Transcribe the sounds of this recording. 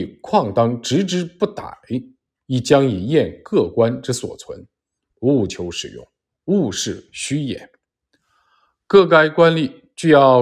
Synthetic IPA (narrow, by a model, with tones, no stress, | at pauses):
kʰwɑ˥˩ŋt̪ɑ˥ŋʈ͡ʂɻ̩˧˥ʈ͡ʂɻ̩˥pu˥˩t̪a̰˨˩˦ɪ | i˨˩t͡ɕjɑ˥ŋi˨˩jɛ˥˧nkɤ˥˩kwa˥nʈ͡ʂ̩˥˩swɔ̰˨˩t͡sʰwə̰˧˥n | u˥˧˩t͡ɕʰjo˧˥ʊʂɻ̩˨˩jʊ̰˥˩ŋ | u˥˧ʂɻ̩˥˩ɕy˥jɛ̰˨˩˦n | kɤ˥˩ka˥ɪkwa˥nli˥˩ | t͡ɕy˥˧jɑ˥˧